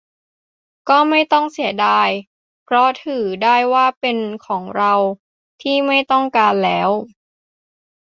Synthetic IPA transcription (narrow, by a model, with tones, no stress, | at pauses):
kɔː˥˩ma˥˩jt̪ɔ˥˩ŋsi˩˦ɐdaː˧j | pʰɾɔ˦˥t̪ʰɯː˩˦daː˥˩jwaː˥˩pe˧nkʰɔː˩˦ŋɾa˧w | t̪ʰiː˥˩ma˥˩jt̪ɔ˥˩ŋkaː˧nlɛː˦˥w